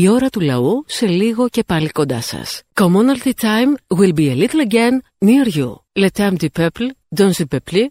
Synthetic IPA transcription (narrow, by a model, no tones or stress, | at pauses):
io̞ɾɐt̪ulɐ̰use̞liɣo̞ce̞pɐliko̞nd̪ɐsɐ̰skomonɐlt̪it̪ajmwilbielit̪lɐɟenː | iɐɾʝṵlet̪ɐmd̪ipepld̪onzipepli